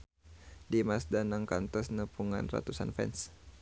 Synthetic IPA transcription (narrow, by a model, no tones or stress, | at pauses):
dimasdanaŋkant̪ɔsnəpʰuŋa̰nra̰t̪usa̰nfɛ̰ns